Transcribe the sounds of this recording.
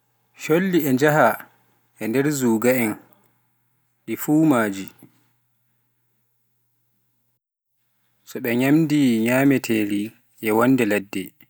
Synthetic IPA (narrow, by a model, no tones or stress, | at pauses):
ʃolːiɛnd͡ʒaɦa | ʔɛndɛɾzuːɡaɛn | ɗifuːmaːd͡ʒi | sɔɓɛɲamdiɲaːmɛtʰeːɾi | ʔɛwɔndɛladːɛ